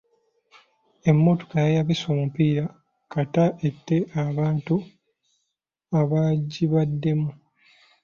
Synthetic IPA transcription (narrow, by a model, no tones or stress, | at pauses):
e̞mːo̞to̥kajajaβiso̞ːmupiːɾa | kataʔe̞tːe̞ʔaβaːntu | aβaɟiβadːe̞mu